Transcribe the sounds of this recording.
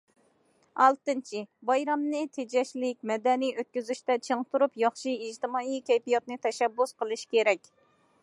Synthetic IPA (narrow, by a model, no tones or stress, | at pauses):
ɑlˠt̪ɨnt͡ʃʰibɑjɾɑmnɨt̪ʰed͡ʒɛʃlɪkʲmɛd̪ɛnijøt̪̚kʲyzyʃt̪ɛt͡ʃʰəŋt̪ʰuɾupjɑχʃiid͡ʒt̪ɪmɑːikʲɛjpijɑt̪nɨt̪ʰɛʃɛbːusqəlˠɨʃkʲeɾɛkʲ